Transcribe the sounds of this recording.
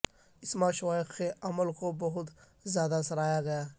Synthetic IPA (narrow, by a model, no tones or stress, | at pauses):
ɪsmãʃʋaːɪkeɐməlkobɐɦʊt̪ | zjaːd̪asɐɾaːjaɡɐjaː